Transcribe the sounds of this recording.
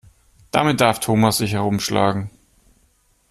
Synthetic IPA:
d̥amɪt̚d̥aɐftʰoːmasz̥ɪçhɛʁʊmʃla̰ːɡŋ̩

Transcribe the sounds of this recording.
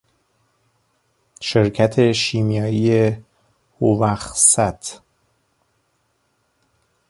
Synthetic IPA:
ʃeɾcʰæt̪ʰe̞ʃiːmjɒːije | hovæxsæt̪ʰ

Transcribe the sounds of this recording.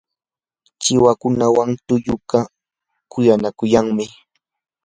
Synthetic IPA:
t͡ʃɪwakʊnawaŋt̪ʊjʊɢa | kʊjanakʊjaŋmɪ

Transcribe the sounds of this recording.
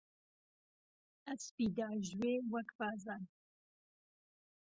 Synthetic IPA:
ɐspiːd̪aːʒweːwɐkpaːzaːn

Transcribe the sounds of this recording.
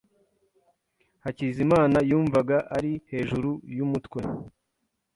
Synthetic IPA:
hacizimaːnajuːɱvaɡaʔaɾihe̞ːʒuɾujumutkwe̞

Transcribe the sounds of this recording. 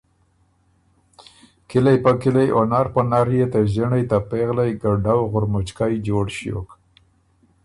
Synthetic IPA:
kɪlajpəkɪlajʔonaɾpənaɾjet̪əʒəɳajt̪apeɣlajɡaɖawɣʊɾmʊt͡ʃkajd͡ʒoɽʃjo̰k

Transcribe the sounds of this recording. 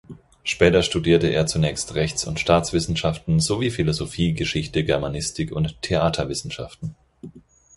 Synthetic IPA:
ʃpɛːtɐʃtudiːɐtəʔḛːɐt͡sunɛːçstʁɛçt͡sʊ̰ntʃtaːt͡sv̥ɪsn̩ʃaftn̩zoviːfilozofiːɡəʃɪçtəɡɛɐmanɪstʰɪkʊntʰːeaːtʰɐvɪsn̩ʃa̰ftn̩

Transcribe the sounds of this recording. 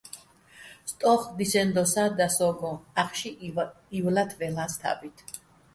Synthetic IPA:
st̪ʼɔχd̪isɛnd̪ɔsaːd̪asɔɡɔaχʃi | ivlat̪ʰvɛlaːst̪ʰa̰bit̪ʰ

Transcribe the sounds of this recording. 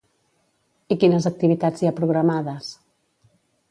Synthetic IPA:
ikinəzək̚t̪iβit̪ad͡zjapɾuɣ̞ɾamaðəs

